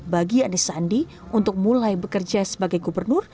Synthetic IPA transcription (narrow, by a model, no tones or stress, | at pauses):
baɡianisandi | unt̪ʊk̚mulajbəkərd͡ʒasəbaɡajɡubərnʊr